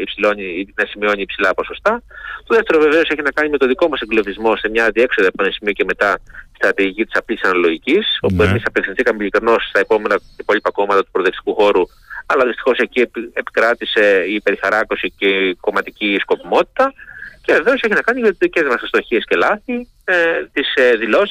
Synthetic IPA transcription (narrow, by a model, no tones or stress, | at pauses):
ipsilo̞ɲinɐsimio̞ɲiːpsilɐpo̞so̞st̪ɐt̪o̞ðeft̪e̞ɾo̞ve̞ve̞o̞se̞çinɐkɐɲime̞t̪o̞ðiko̞mɐse̞ŋɡlovizmo̞se̞mɲɐðie̞kso̞ðɐpuɐnsimioce̞me̞t̪ɐt̪i̥st̪ɾɐt̪iʝicit̪i̥sɐplisɐnɐloʝiciso̞pue̞misɐpeksinθikɐmeʎikɾino̞st̪ɐepo̞me̞nɐepo̞ʎipɐkomɐt̪ɐt̪u̥pɾoðeksi̥kuxo̞ɾu | ɐlɐðist̪i̥xo̞se̞cieepi̥kɾɐt̪ise̞ipe̞ɾixɐɾɐkosiceko̞mɐt̪icisko̞pimo̞t̪i̥t̪ɐce̞ve̞ve̞o̞se̞çinɐkɐniʝɐt̪izðice̞zmɐsst̪o̞çiesce̞lɐθi | t̪isðilo̞s